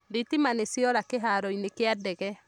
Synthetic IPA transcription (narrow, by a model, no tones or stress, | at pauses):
ɾitimanesiɔɾakeɦaɾɔinekeadɛɣɛ